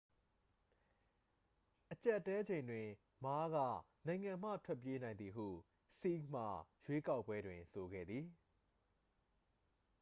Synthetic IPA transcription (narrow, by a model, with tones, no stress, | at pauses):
ʔət͡ɕa˦ʔətːɛ˦d͡ʑẽ˨ɪ̃ndwɪ̃˨ | ma˦ɣä̰˦˨ | nã˨ɪ̃ŋã˨m̥ä̰˦˨tʰwɛ˦˨p̬je˦nã˨ɪ̃nd̪i˨ɦṵ˦˨ | si˦km̥a˨jwe˦ka˦ʊpːwɛ˦dwɪ̃˨nso˨ɡɛ̰˦˨d̪ði˨